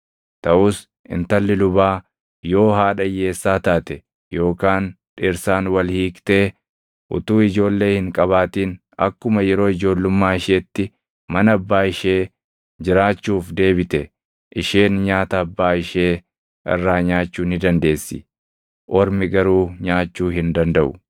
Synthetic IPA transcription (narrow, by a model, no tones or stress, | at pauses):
t̪ɐʔuːs | ʔɪ̰nt̪ɐlːɪlʊbaː | jo̞ːɦaːᶑɐjːe̞ːsːaːt̪aːt̪ɛ | jo̞ːkaːn | ᶑɪɾsaːnwɐlhiːkt̪eː | ʔʊt̪uːɪd͡ʒo̞ːlːe̞ːhɪŋkʼɐβaːt̪iːn | ɐ̰kːʊmɐjɛɾo̞ːɪd͡ʒo̞ːlːʊmːaːɪʃeːt̪ːɪ | mɐnɐɐbːaːɪʃe̞ː | d͡ʒɪɾaːt͡ʃːuːfd̪e̞ːbɪt̪ɛ | ʔɪʃe̞ːnɲaːt̪ɐɐbːaːɪʃe̞ː | ʔɪ̰rːaːɲaːt͡ʃːuːnɪd̪ɐnd̪e̞ːsːɪ̰ | ʔɔɾmɪɡɐɾuːɲaːt͡ʃːuːɦɪnd̪ɐnd̪ɐʔʊ̰